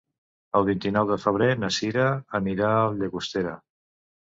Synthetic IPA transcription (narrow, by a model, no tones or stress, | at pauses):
əlˠβ̞int̪inɔwðəfəβ̞ɾenəsiɾəːniɾaəlʎəɣust̪eɾə̰